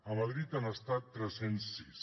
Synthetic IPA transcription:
əməðɾit̪anəst̪at̪ːɾɛsensːis

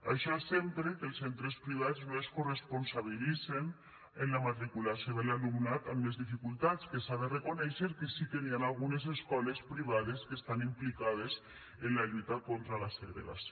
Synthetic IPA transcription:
a̰ʃɔsempɾekelˠsent̪ɾespɾiβ̞ad͡znoeskoresponsaβ̞ilisen | enlamat̪ɾikulasjoðelalumnat̪ammezðifikulˠt̪at͡skesaðerekonɛʃeɾkesit̪enianalɣunezeskɔlespɾiβ̞aðeskest̪animplikað̞es | enlaʎut̪akont̪ɾalaseɣɾḛɣa̰s

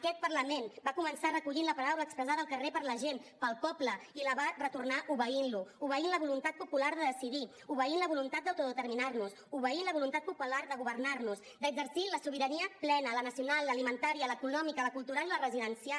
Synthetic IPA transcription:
əkɛt̪̚pəɾləmenbakumənsarəkuʎinləpaɾawləːkspɾəzaðəlˠkərepəɾləʒenpəlˠpɔpləiləβarət̪urnaʔuβəinluuβəinləβulunt̪at̪̚pupulaɾðəðəsiði | uβəinləβulunt̪at̪̚d̪əwt̪uðət̪əɾminarnus | uβəinləβulunt̪at̪̚pupulaɾðəɣuβəɾnarnusd̪əɡzəɾsiləsuβ̞iɾəniəplɛnələnəsiunalˠːəlimənt̪aɾiələkunɔmikələkulˠt̪uɾalilərəziðənsia

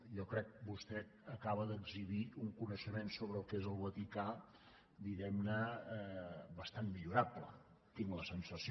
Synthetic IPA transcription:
jɔkɾɛk̚bust̪ɛ | əkaβəðəɡziβiuŋkunəʃəmensoβɾəːlˠkezəlˠβət̪ika | d̪iɣɛmnə | bəst̪anmiʎuɾaplə̰ | t̪iŋləsənsəs

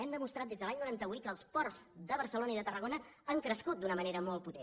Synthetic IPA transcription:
ɛmd̪əmust̪ɾat̪d̪ezðəlaɲnuɾant̪əβujt̪̚kəːlˠspɔrzd̪əβərsəlonəiðət̪ərəɣonəəŋkɾəskut̪̚d̪unəməneɾəmɔlˠt̪put̪e

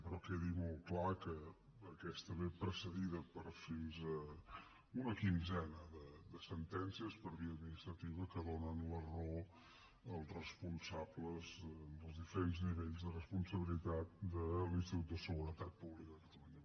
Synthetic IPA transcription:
pəɾɔkeðimɔlˠtklakəː | kɛst̪əβepɾəsəðiðəpəɾfinzə | unəkinzɛnəðəd̪əsənt̪ɛnsiəspəɾβiəd̪minist̪ɾət̪iβəkəðonənləro | əlˠzrəspunsabləzd̪əlˠzðifəɾenzniβeʎzðərəspunsəβilit̪at̪̚d̪əlinst̪it̪ut̪d̪əsəɣuɾət̪at̪̚puβlikəðəkət̪əluɲə

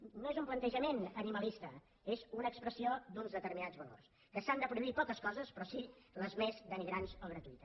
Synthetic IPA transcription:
noezumplənt̪əʒəmenəniməlist̪ə | ezunəːkspɾəsiod̪unzðət̪əɾminad͡zβəlo̰rs | kəsand̪əpɾuðuipɔkəskɔzəspɾɔsiləzmezd̪əniɣɾanzoɣɾət̪uit̪ə

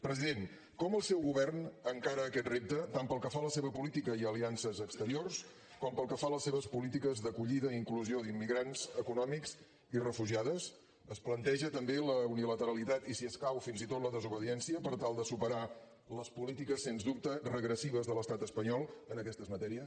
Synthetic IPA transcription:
pɾəziðen | kɔməlˠsɛwɣuβɛrnəŋkaɾəːkɛt̪rep̚t̪ət̪ampəlˠkəfaləseβəpulit̪ikəiəliansəzəkst̪əɾiors | kɔmpəlˠkəfaləsːeβəspulit̪ikəzðəkuʎiðəiŋkluzioðimːiɣɾanz̥əkunɔmikz | irəfuʒiaðəs | əsplənt̪ɛʒət̪əmbeləunilət̪əɾəlit̪at̪isiəskawfinzit̪ot̪ləðəzuβəðiɛnsiəpəɾt̪alˠd̪əsupəɾa | ləspulit̪ikəsːenzd̪up̚t̪ərəɣɾəsiβ̞əzðələst̪at̪əspəɲɔlˠənəkɛst̪əzmət̪ɛɾiəs

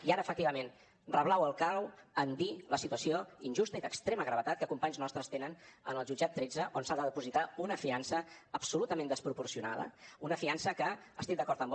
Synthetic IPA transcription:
iaɾəːfək̚t̪iβəmen | rəβlawəlˠkawənd̪iləsit̪uəsioinʲʒust̪əiðəkst̪ɾeməɣɾəβət̪at̪̚kəkumpaɲznɔst̪ɾəst̪enənə̰nəlˠʒud͡ʒat̪ːɾed͡zəʔonsad̪əðəpuzit̪aunəfiansəːpsulut̪əmẽnd̪əspɾupuɾsiuna̰ðə̰unəfiansəkəː | st̪ik̚d̪əkɔɾt̪əmb

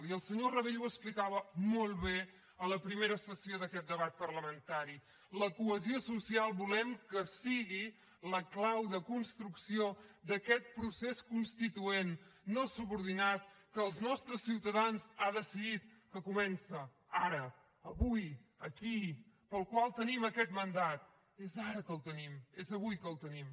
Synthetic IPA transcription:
liəlˠsəɲorəβeʎuəksplikaβəmolˠβe | ələpɾimeɾəsəsioðəkɛt̪̚d̪əβat̪̚pərləmənt̪aɾi | ləkuəziosusialˠbulɛmkəsiɣi | ləklawðəkunst̪ɾuksiod̪əkɛt̪̚pɾuseskunst̪it̪uenːosuβuɾðinat̪̚kəːlˠznɔst̪ɾəsːiwt̪əðanzaðəsiðit̪̚kəkumɛnsə | aɾəː | βujəki | pəlˠkwalˠt̪əniməkɛt̪mənd̪at̪̚ | ezaɾəkəlˠt̪ənimezəβujkəlˠt̪ənim

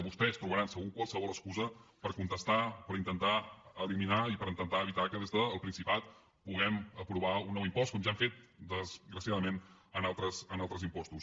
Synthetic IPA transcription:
βust̪ɛst̪ɾuβəɾansəɣukwalˠsəβɔləskuzəpəɾkunt̪əst̪apəɾint̪ənt̪aəliminaipəɾint̪ənt̪aəβit̪akəðezðəːlˠpɾinsipat̪ | puɣɛməpɾuβ̞aunːɔwimpɔst̪̚kɔmʒaɱfet̪̚d̪əzɣɾəsiaðəmen | ənalˠt̪ɾəsənalˠt̪ɾəzimpɔst̪us

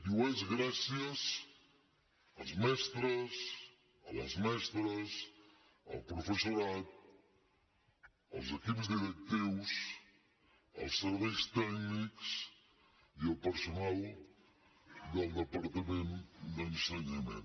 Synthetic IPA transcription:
d̪uɛzɣɾasjɐs | ɐlzmɛst̪ɾɐs | ɐlɐ̰zmɛst̪ɾɐs | ɐ̰lpɾufəsuɾat̪̚ | ɐ̰lˠzekipzd̪iðek̚t̪iws | ɐ̰lˠsːəɾβɛjst̪ɛkniks | ialpəɾsunalˠ | d̪əlˠd̪əpaɾt̪ɐmẽnd̪ənseɲɐmḛ̃n

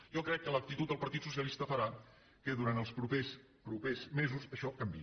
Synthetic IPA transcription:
jɔkɾɛkːələk̚t̪it̪ut̪̚d̪əlˠpəɾt̪it̪sus̬jəlist̪əfəɾa | kəðuɾant̪əlˠspɾupes | pɾupezmezusəʃɔkəmbi

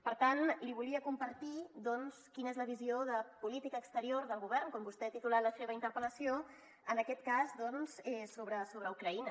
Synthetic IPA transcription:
pəɾt̪anliβuliəkumpəɾt̪id̪ɔnskinəezləβ̞izioðəpulit̪ikəːkst̪əɾioɾðəlˠɣuβ̞ɛrnkɔmbust̪ɛat̪it̪ulat̪ləseβəint̪əɾpələsio | ənəkɛt̪kazd̪ɔnsɛsoβɾəsoβɾəukɾəinə

